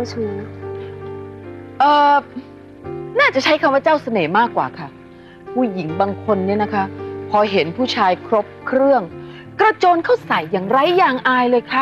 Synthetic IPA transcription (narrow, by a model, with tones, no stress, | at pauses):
t͡ɕʰuː˧˩˦ | ʔɤː˨˧ | naː˥˩t͡ɕa˨˩t͡ɕʰa˦˥jkʰa˧mwaː˥˩t͡ɕaː˥˩wsa˧nɤː˩˦maː˥˩kːwa̰ː˨˩kʰa˥˩ | pʰuː˧˩ji˩˦ŋbaː˧ŋkʰo˧nːi˦˥ɐna˦˥kʰa˦˥pʰɔː˧ɦe˩˦npʰuː˥˩t͡ɕʰaː˧jkʰɾo˦˥p̚kʰɾɯ˥˩əŋ | kɾa˧t͡ɕoː˧nkʰa˥˩wsa˩˦jːaː˨˩ŋɾa˧˥˩jːaː˨˩ŋʔaː˧jlɤː˧jkʰa˦˥